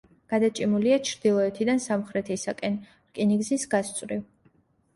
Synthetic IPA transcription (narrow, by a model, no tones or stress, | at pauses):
ɡ̥ad̪at͡ʃʼimuliat͡ʃʰɾd̪̥ilˠɔɛt̪ʰid̪ansamχɾɛt̪ʰisakʼɛn | ɾkʼiniɡzisɡast̪sʼwɾiv